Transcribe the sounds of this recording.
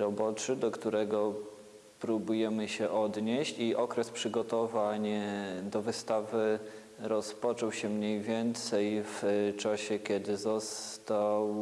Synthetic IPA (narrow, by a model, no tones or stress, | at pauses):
ɾɔbɔt͡ʂɘd̪ɔkt̪uɾɛɡɔ | pɾubujɛmɘɕɛʔɔd̪ɲeɕt͡ɕiʔɔkɾɛspʂɘɡɔt̪ɔvaɲd̪ɔvɘst̪avɘ | ɾɔspɔt͡ʂɔwɕɛmɲejvʲjɛnt̪sɛjft͡ʂaɕɛkʲɛd̪ɘzɔst̪aw